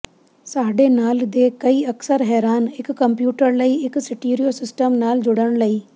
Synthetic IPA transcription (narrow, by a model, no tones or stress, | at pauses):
saːɖeːnaːld̪eːkəiːəksəɾɦɛːɾaːnɪkːə̃mpjuːʈəɾləiːɪksɪʈiːɾijoːsɪsʈəmnaːld͡ʒʊɽəɳ̃ləiː